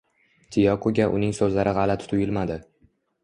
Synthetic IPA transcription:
t̪ʰɪjɒkʰoɡʲaʔʊ̰nɪŋsɵzlaɾɪʁɑlat̪ʰt̪ʰʊjɪlmad̪ɪ

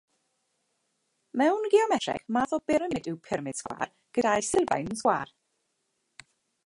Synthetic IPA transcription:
mɛwnɡiɔmɛtɛ̰χmaðɔb̥ɪɾmɪdɪwpʰɪrmɪd̥sɡwa̰ːr | ɡ̥ədajsɪlˠva̰jnsɡwaːr

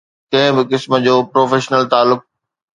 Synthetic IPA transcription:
kɐ̃ɦɪ̃bɪkɪsmə̆d͡ʑoːpɾoːfeːʃnəlt̪aːlːʊk̚

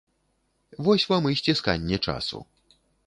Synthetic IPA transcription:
vɔsʲvamɨjsʲt͡sʲiska̰nʲːɛt͡ʂa̰sṵ

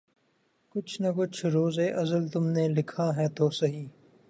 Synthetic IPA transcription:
kʊt͡ʃʰnɐkʊt͡ʃʰɾoːzeʔɐzəlt̪ʊmnelɪkʰaɦɛːt̪oːsɐɦiː

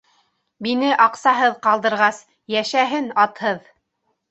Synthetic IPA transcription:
binɘʔɑqsɑɦɤðqɑlˠd̪ɤ̆ɾʁɑs | jæʃæɦɘnɑt̪hɤð

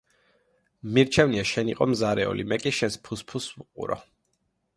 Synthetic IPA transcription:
miɾt͡ʃʰɛvniaʃɛniqʼɔmzaɾɛɔ̰limɛkʼiʃɛnspʰuspʰusuqʼṵɾɔ̰

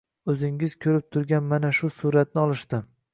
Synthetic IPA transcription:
ɵzɪŋɪz̥kʲʰɵɾɪp̚t̪ʰʊɾɡʲanmanaʃʊsʊɾat̪̚nɪɒlˠɪʃt̪ɪ

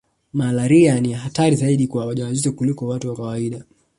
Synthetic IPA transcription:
malaɾianijaɦataɾizaiɗikwawaʄaazizɔkulikɔwatuwakawaiɗa

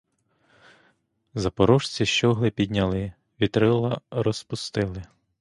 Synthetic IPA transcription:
zɐpɔɾɔʃt͡sʲiʃt͡ʃɔɦlˠɪpʲid̪ʲnʲɐlˠɪ | ʋʲit̪ɾɪlˠɐɾɔspʊst̪ɪlˠɪ

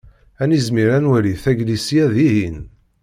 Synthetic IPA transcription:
ænizmiɾænwæliθæɡlisiæðiɦin

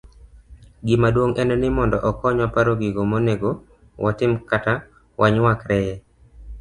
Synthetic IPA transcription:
ɡɪmadwoŋʔɛnonɪmɔndɔʔɔkɔɲwapaɾoɡɪɡomoneɡo | wʔɔtɪmkata | wʔaɲwakɾɛ

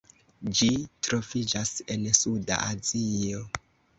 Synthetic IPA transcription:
d͡ʒitɾo̞vid͡ʒase̞nsuda̰ʔazio

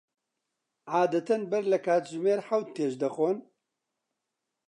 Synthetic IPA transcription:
ʕaːd̪ɐt̪ʰɐnbɛɾlɛkʰaːt̪ʒɪmeːɾħawt̪̚t̪ːeːʃd̪ɐxoːn

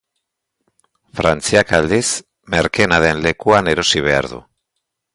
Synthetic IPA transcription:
fɾant͡siakald̪is | me̞ɾke̞naðe̞nle̞kuane̞ɾo̞siβ̞e̞a̰ɾðṵ

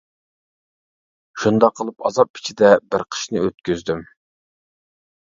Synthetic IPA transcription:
ʃund̪ɑqʰːəlˠɨpɑzɑp̚ʰi̥t͡ʃʰid̪ɛbɪɾqʰə̥ʃnɨøt̪̚kʲyzd̪ym

